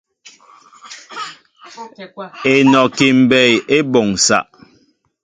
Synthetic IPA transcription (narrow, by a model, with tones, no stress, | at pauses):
e˨nɔ˨ki˨m̩˨bɛ˦˨je˦bɔ˨ŋsa̰˨ʔ